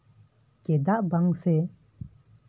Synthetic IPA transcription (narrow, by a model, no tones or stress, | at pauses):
ked̪aʔbaŋse